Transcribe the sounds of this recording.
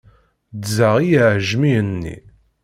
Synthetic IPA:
d̪zaʁijʕʒmiənːḭ

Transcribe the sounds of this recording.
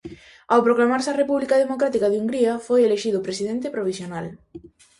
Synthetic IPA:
awpɾoklamaɾsɐrepuβlikaðemokɾat̪ikaðuŋɡɾiɐfojeleʃiðʊpɾesiðent̪epɾoβ̞isjonal

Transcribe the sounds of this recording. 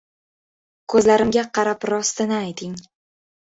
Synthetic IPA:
kʰɵzlaɾɪmɡʲaqʰɑɾapɾɒst̪ɪnɪajt̪ʰɪŋ

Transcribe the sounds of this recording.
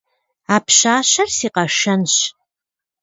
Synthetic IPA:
aːpʰɕaːɕɐrsiːqɐʂɐnɕ

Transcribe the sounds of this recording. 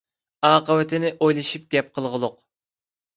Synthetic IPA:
ɑːqəwɪt̪ʰɪnɪʔojlˠɨʃip̚ɡʲɛp̚qʰəlˠʁəlˠʊq

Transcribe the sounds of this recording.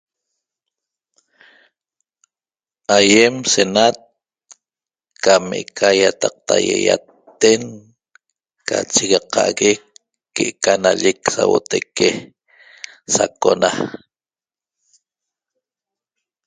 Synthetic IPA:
ajemsenat̪̚ | kameʔekʰajat̪ɑq̚t̪ʰajejat̪ː | eŋ | kat͡ʃiɣɑqɑʔɣekː | eʔkanaʎeksawot̪eke | sakona

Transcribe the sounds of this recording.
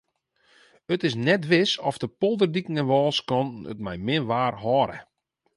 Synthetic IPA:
ətɪsnɛtʋɪsɔfdəpolˠdərdikəŋənʋɔːlˠskɔnə̰tmɛjmɪnʋaːrɦɔɾə̰

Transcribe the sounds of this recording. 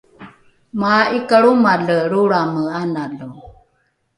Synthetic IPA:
maikəɭumaɮəɾuɽaməanalɔ

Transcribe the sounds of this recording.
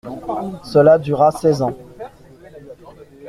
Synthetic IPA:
səlad̪yʁasɛzɑ̃

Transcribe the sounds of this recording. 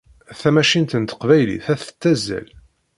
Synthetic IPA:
θæmæʃint̪ənt̪ə̥qvæjlḭθæθə̥t͡s̪ːæzːæ̰l

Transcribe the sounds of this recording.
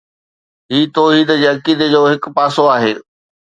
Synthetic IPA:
ɦiːt̪oɦiːd̪əd͡ʑeːɐkiːd̪ed͡ʑoːɦɪkʊ̆paːsoaːɦeː

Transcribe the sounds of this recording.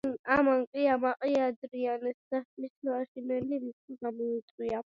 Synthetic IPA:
amaŋqʼiamaqʼiad̪ɾianɛsd̪amislaʃinɛlimisiɡamɔit̪ʼwia

